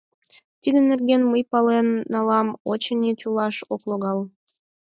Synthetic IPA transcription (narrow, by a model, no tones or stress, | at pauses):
t̪id̪ənerɡenməjpɑlenːɑlɑmot͡ɕənʲit̪ʲulɑʃokloɣɑl